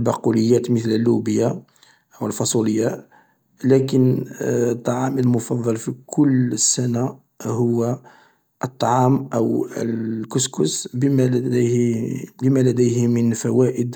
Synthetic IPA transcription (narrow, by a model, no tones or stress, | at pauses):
lbɑquləjːæt̪mət̪ləlːubəja | ʔwəlfɑsˤuləjːa | lækənt̪ˤːɑʕɑməlmʊfɑd̪ˤːɑlfikʰʊləsːæna | hʊwːæ | ʔət̪ˤːɑʕɑmʔəwə̰lkʊskʊsbm | bəmælæd̪əjhmənfæwæʔəd̪